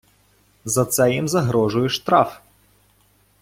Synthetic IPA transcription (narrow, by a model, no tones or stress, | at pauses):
zɐt̪sɛjimzɐɦɾɔʐʊjɛʂt̪ɾaf